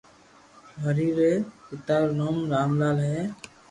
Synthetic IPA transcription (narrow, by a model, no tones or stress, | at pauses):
ɦəɾiːɾeːtɪt̪aːɾnoːmɾaːmlaːlɦɛː